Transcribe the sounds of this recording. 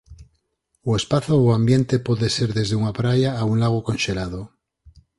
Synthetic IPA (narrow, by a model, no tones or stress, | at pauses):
oespaθooambje̞nt̪e̞pwoðe̞se̞ɾðe̞zðeuŋapɾajaːunlaɣ̞okonʃelaðo